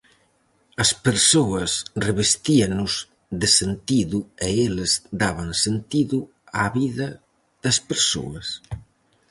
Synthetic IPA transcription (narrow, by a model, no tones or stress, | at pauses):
ɐspeɾsoɐsreβest̪iɐnʊz | ðesent̪iðueelɐzd̪aβɐŋsent̪iðu | aβiðɐ | ðɐspeɾso̰ɐs